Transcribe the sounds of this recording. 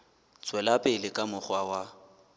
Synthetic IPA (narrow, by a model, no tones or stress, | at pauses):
t͡sʼwɛlapʼɪlɪkʼamʊχwawa